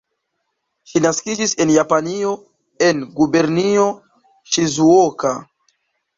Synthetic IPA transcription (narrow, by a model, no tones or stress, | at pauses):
ʃinaskid͡ʒise̞njapanio̞ | e̞nɡube̞ɾnio̞ | ʃizuoka